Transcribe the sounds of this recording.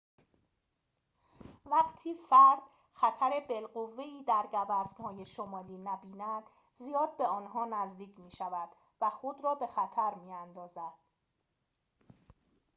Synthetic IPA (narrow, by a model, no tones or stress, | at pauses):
væqt̪ʰiːfæɾd̪̥ | xæt̪ʰæɾe̞be̞lɢovːe̞iːd̪æɾɡævæznhɒːjeʃomɒːliːnæbiːnæd̪̥ | zijɒːd̪̚be̞ɒːnɦɒːnæzd̪iːcʰmiːʃævæd̪̥ | væxod̪ɾɒːbe̞xæt̪ʰæɾmiːænd̪ɒːzæd̪̥